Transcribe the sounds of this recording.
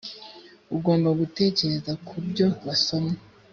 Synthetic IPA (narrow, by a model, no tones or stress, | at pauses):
uɡoːmbaɡute̞ːce̞ɾe̞zakʰubɟo̞βaso̞me